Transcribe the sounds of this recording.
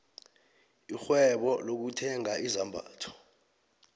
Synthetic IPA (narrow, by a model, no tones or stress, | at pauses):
ixwɛɓɔlok̬utʰɛŋaʔizambʱa̰ːtʰɔ̥